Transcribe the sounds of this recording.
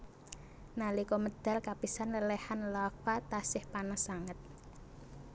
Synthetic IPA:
nalikɔməd̪̥a̤lkapisanləlɛhanlafat̪asɪhpanasaŋət̪̚

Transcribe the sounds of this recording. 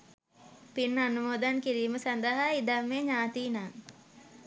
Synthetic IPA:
pinːɐnumoːd̪ankiɾiːməsɐnd̪əɦaid̪amːeːɲaːt̪iːnaː

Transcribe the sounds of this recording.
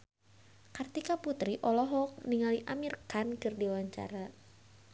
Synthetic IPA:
kart̪ikaput̪ɾiʔɔlɔɦɔk̚niŋaliʔamirkankɨrdiawaɲt͡ʃa̰ɾa

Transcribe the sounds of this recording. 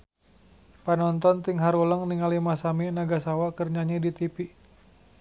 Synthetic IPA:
panɔnt̪ɔnt̪iŋɦaɾuləŋniŋalimasaminaɡasawakərɲaɲidit̪ipi

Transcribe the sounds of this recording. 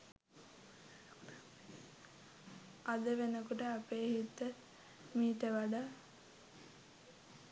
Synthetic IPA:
ad̪əʋenəkuʈəapeːɦit̪ːə | miːʈəʋaɖa

